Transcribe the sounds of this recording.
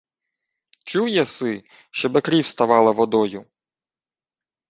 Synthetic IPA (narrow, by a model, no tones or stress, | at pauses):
t͡ʃuwjɐsɪ | ʃt͡ʃɔbɪkɾʲiwst̪ɐʋɑlˠɐʋɔd̪ɔjʊ